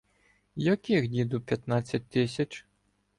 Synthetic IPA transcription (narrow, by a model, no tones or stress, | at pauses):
jakʲixdʲid̪upʲjat̪nasʲɐt̚ʲt̪ɪsʲɐt͡ʃ